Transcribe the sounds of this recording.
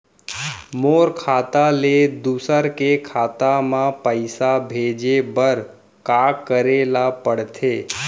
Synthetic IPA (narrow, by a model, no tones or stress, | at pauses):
moːɾkʰaːt̪aled̪uːsəɾkekʰaːt̪amãpəɪsabʱeːd͡ʒebəɾ | kaːkːəɾeːlapəɽt̪ʰeː